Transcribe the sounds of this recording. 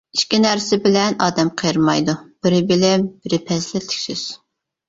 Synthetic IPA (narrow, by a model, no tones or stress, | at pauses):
iʃkʲinæɾsɪbɪlɛnɑːd̪ɛmqʰəjɾmɑjd̪ub̥ɪɾɪbɪlɛbɪɾɪpʰɛzlɪt̪ʰːɪ̥kʲsyz̥